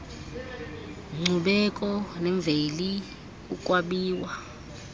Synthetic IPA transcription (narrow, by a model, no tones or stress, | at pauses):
ŋ͡ǀʱuɓɛkʼɔnɛɱb̪vʱeli | ukʼwaɓiːwa